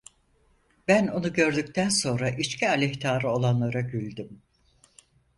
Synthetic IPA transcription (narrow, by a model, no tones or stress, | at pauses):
bæno̞nuɟø̞ɾd̪yc̚t̪ʰænso̞nɾaʔit͡ʃcʰialʲɛçt̪ʰaːɾɯo̞lˠanlˠaɾaɟylʲd̪ym